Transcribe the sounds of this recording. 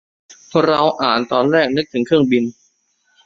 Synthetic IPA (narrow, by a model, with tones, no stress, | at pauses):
pʰɔ˧˩ɾa˧wʔaː˨˩nt̪ɔː˧nɾɛː˥˩k̚nɯ˦˥k̚t̪ʰɯ˨˩˦ŋkʰɯ˥˩əŋbi˧n